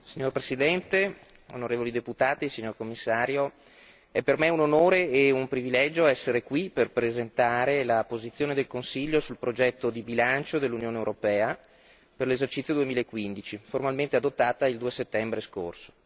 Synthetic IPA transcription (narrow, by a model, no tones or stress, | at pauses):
siɲoɾpɾesid̪ɛnt̪e | o̰noɾeːvolid̪eput̪aːt̪isiɲːorkomːisːaːɾjo | ɛpermeunonoːɾeːumpɾivilɛd͡ʒoɛsːeɾekwiperpɾezent̪aːɾelapozit̪sjoːned̪elkonsiʎːosulpɾod͡ʒɛt̪ːod̪ibilant͡ʃod̪elːunjoːnewɾopɛːa | perlezert͡ʃit̪sjod̪uemiːlaekːwind̪it͡ʃiformalment̪ead̪ot̪ːaːt̪aild̪uːeset̪ːɛmbɾesko̰rso̥